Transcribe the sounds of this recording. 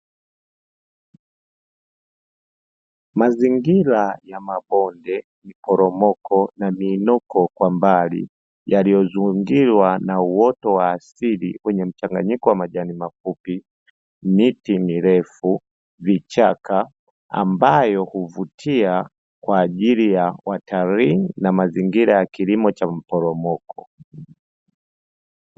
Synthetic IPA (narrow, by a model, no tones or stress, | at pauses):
maziŋɡilajamaɓɔndɛ | mipɔɾɔmɔkʰɔnamiːnɔkɔkwambalḭ | jalijɔzuŋɡilwanauwɔtɔwaːsilḭwɛɲɛm̩t͡ʃaŋɡa̰ɲikɔwamaʄanimafupi | mitimiɾɛfu | vit͡ʃaka | a̰mbajɔhuvutʰia | kwaːʄilijawʔatʰaɾiŋnamaziŋɡiɾajakilimɔt͡ʃam̩pɔɾɔmɔkʰɔ̥